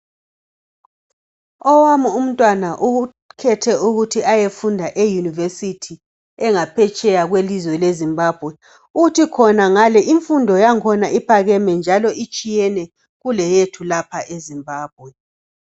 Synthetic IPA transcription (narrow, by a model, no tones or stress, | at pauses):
ɔwamuum̩tʼwanaʔuu | kʰɛtʰɛuɣutʰiajefundʱaʔejunivesitʰi | ɛŋapʰɛt͡ʃʼɛjaɣwelizwɛlezimbaːb̥ʱwɛ | uɣutʰikʰɔnaŋalɛʔiɱfundʱɔjaŋkʰɔnaʔipʰaɣɛmɛnd͡ʒʱalɔit͡ʃʼijɛnɛ | ɣulɛjetʰulapʰaʔezimbaːb̥̚ʱwɛ